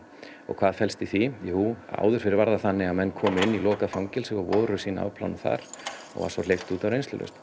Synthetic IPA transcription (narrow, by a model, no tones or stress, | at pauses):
ɔ̰ɣkʰvaːðfɛlst̪ɪθijɛhua̰ːwðʏɾ̥fɪɾɪɾvaɾðaθanːɪɣamɛnːkʰɔːmɪnːilɔːkafawŋcɪlsɛvavɔːɾʏsiːna̰wpʰla̰wnθa̰ɾ̥ɔ̰ɣva̰sɔl̥ejft̪uːt̪avwɾejnst̪ʏ̰lœ̰st̪